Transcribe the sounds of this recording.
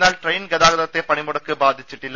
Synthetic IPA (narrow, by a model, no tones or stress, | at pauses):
nːaːlʈrɐjnɡɛðaːɣɐðɐt̪ːepɐɳɪmʊɽɐkːɯbaːd̪ʱɪt͡ʃːɪʈːɪlːɐ